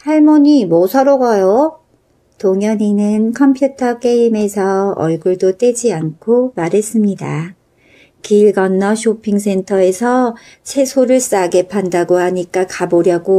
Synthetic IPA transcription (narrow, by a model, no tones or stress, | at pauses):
haɭmoɲimosʰʌɾoɡʌjo | toŋjʌɲinɯnkʰʌmpʰjutʰʌk͈e̞ime̞sʰʌʌ̰ɭɡuɭdot͈we̞d͡ʑiankʰomaɾɦe̞s͈ɯmɲida | kiɭɡʌnːʌɕʰopʰiŋs̬ʰe̞ntʰʌe̞sʰʌ | t͡ɕʰe̞sʰoɾɯɭs͈aɡe̞pʰandaɡohaɲik͈akaboɾjʌɡo